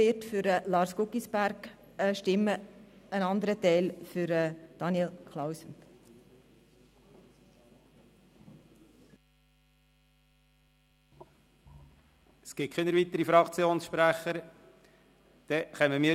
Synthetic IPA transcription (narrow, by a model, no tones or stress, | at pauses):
ɪtfʏɾəlɑɾskʊkːisbæɾk | əʃtɪmːəənɑnd̪əɾətɛɪlfʏɾɛd̥ɑnjɛlkʰlawsən | ɛsɡ̥ɪt̚kʰχinəɾvit̪əɾifɾɑkt͡sjoːnsʃpɾæχəɾ | d̪̥ɛχɛməmiː